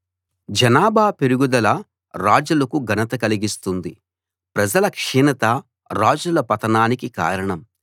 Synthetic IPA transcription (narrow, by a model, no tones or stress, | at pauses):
d͡ʒɐnaːbʱaːpeɾuɡud̪ɐlɐ | ɾaːd͡ʒulɐkuɡʱɐnɐt̪ɐkɐliɡist̪und̪i | pɾɐd͡ʒɐlɐkʂiːnɐt̪ɐ | ɾaːd͡ʒulɐpɐt̪ɐnaːnikika̰ːɾɐɳɐm